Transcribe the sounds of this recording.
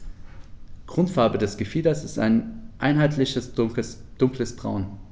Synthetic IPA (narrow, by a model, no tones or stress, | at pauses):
ɡ̥ʁ̥ʊntfaɐbədɛsɡ̥əfiːdɐsɪsta̰ɪnʔa̰ɪnɦaɪtʰlɪçə | d̥ʊŋkləsb̥ʁa̰ʊn